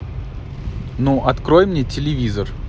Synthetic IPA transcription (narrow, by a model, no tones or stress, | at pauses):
nuʔɐt̪kɾojmnʲetʲɪlʲɪvʲizər